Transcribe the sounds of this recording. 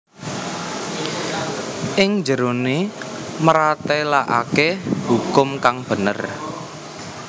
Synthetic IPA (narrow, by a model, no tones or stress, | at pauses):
ʔɪŋd͡ʒəɾoneməɾat̪elaʔa̰kehukʊmkaŋb̥ə̤nə̰r